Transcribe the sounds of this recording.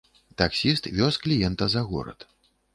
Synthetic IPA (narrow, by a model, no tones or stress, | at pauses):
t̪aksʲist̪vʲɔsklʲijɛnt̪ɐzɐɣɔ̰ɾɐ̰t̪